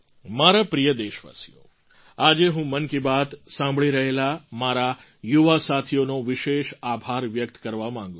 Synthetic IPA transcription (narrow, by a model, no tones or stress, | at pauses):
maɾapɾijəd̪eʃʋa̰sijo̰ | ad͡ʒeɦũmənkibat̪sãmbʱɭiɾəɦelamaɾa | juʋasat̪ʰionoʋɪʃeʃabʱaɾʋjək̚t̪kəɾʋamãŋɡũ